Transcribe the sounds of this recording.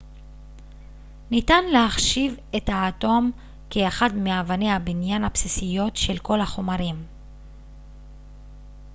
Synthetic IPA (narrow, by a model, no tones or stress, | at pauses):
nitanlehaχʃive̞thaːto̞m | keːχadmeavanehabinjanhapsisijo̞t̪ʃelko̞laχo̞maɾim